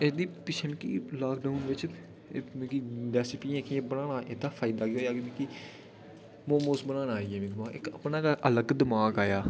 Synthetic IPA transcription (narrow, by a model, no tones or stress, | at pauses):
ɪsd̪iːpɪt͡ʃʰəmkḭːlaːkɖaunʋɪt͡ʃː | m̃ːkiɖɛːsɪpiːẽːkiẽbənaːnaːʔɪd̪aːfʰaːɪd̪aːɡeoːjaːɡemĩːki | mõːmoːsbənãːnaːiːeːmĩːd̪əmaːɪ̰kə̰pnaːkaʔələɡd̪əmaːɡaːjaː